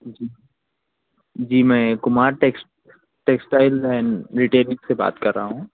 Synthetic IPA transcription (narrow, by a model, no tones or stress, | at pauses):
d͡ʒiː | d͡ʒiːmɛ̃ːkʊmaːɾʈeːksʈ | ʈeːksʈaːɪlɛ̃ːnɾiʈeːɾɪ̃ŋkseba̰ːt̪kɐɾːaɦũː